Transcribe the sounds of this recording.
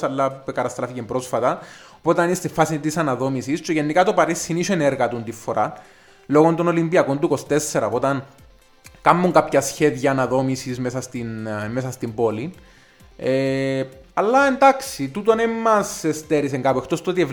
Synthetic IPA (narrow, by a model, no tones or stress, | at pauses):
sɐlːɐpkɐt̪ɐst̪ɾɐficembɾosfɐt̪ɐopot̪ɐninst̪ifɐsit̪isɐnɐðo̞misist͡ʃeʝenːikɐt̪opɐɾisːiniseneɾɣɐt̪unt̪ifːo̞ɾʔa | lo̞ɣond̪ono̞limbiɐko̞nd̪ukost̪e̞sːeɾɐpot̪ɐn | kɐmːuŋkapçɐsçeðʝɐːnɐðo̞misizmesɐst̪inmesɐst̪imbo̞lin | e | ɐlːɐend̪ɐksit̪ut̪onemːɐsest̪eɾis̬eŋɡapuext̪o̞st̪ot̪iev